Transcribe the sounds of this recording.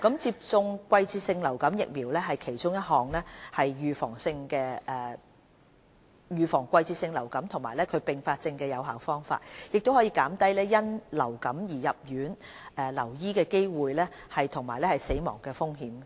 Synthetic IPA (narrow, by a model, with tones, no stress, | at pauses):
kɐ˨˥mt͡siː˧p̚t͡sʊ˧ŋkʷɐ˧jt͡siː˧t̚sɪ˧ŋlɐ˨˩wkɐ˨˥mjɪ̰˨k̚miː˨˩wlɛː˥ɦɐ˨jkʰe˨˩jt͡ʃʊ˥ŋjɐ˥t̚ɦɔː˨˩ŋlɛː˥hɐ˨jjyː˨fɔ̰ː˨˩ŋsɪ˧ŋkɛː˧ɛ˨˩ | jyː˨fɔː˨˩ŋkʷɐ˧jt͡siː˧t̚sɪ˧ŋlɐ˨˩wkɐ˨˥mt̪ʰʊ˨˩ŋmaː˨˩jlɛː˥kʰɵ˨˧ɥpɪ˨ŋfaː˧t̚t͡sɪ˧ŋkɛː˧jɐ˨˧wɦaː˨˥wfɔː˥ŋfa̰ː˧t̚jɪ˨k̚t̪o˥whɔː˨˥jiː˧kaː˨˥mt̪ɐ˥jlɛː˥jɐ˥nlɐ̰˨˩wkɐ˨˥mjiː˨˩jɐ˨p̚jyː˨˥nʔɛː˨lɐ˨˩wjiː˥kɛː˧ke˥jwuː˨jlɛː˥hɐ˨jt̪ʰʊ˨˩ŋmaː˨˩jlɛː˥hɐ˨jse˨˥jmɔ̰ː˨˩ŋkɛː˧fʊ˥ŋhiː˨˥m